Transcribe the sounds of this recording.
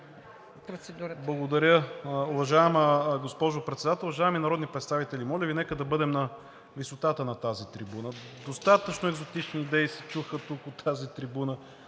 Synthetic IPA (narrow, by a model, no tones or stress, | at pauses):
ɾosɛd̪uɾblˠɐɡod̪ɐɾʲəʊvɐʒaɛməɡospɔʒopɾɛt̪sɛd̪at̪ɛlˠvɐʒaɛminɐɾɔd̪nipɾɛt̪st̪avit̪ɛlʲimɔlʲəvinɛkəd̪ɐbɤd̪ɛmnɐ | visot̪at̪ənɐt̪azit̪ɾibunə | d̪ost̪at̪ət͡ʃnʊɛɡzot̪it͡ʃniːd̪ɛisɛt͡ʃuxət̪ukot̪ːʰazit̪ɾibunə